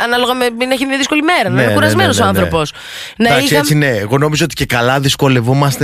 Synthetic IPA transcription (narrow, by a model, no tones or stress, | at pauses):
ɐnɐloɣɐmemineçiɐðisko̞limeɾɐnxuɾɐzmenosoɐnθɾopo̞s | nɐaksesine̞ːɣo̞no̞mizoot̪i̥ce̞kɐlɐðisko̞le̞vumɐst̪e